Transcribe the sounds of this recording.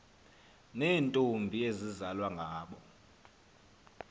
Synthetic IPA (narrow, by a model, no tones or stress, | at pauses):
neːntʼumbʱiezizalwaŋɡʱaːɓɔ